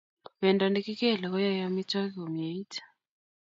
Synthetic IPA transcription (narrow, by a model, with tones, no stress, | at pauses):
βɛ˨nda˨ndɛ˦ki˦kɛ˦˨la˨kɔ˦ja˦ja˦mi˦twa˦kɛɔ˨m˨e˨i˦tʰḁ˨